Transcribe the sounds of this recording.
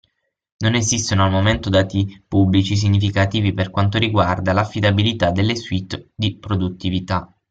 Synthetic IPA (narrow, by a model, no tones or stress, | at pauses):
nonezist̪onoalmoment̪od̪aːt̪ipublit͡ʃis̬iɲːifikat̪iːviperkwant̪oɾiɡward̪alafːid̪abilit̪ad̪elːeswit̪ːd̪ipɾod̪ut̪ːivit̪a